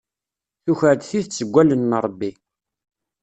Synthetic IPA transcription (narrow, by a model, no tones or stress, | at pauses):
θuçəʕd̪θiθt͡sːəɡʷːælənːəɾˤbːi